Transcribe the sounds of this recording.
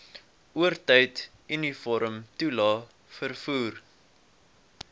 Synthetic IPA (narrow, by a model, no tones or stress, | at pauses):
uərtœjt | ynifɔɾəmtulɑː | fərfuːr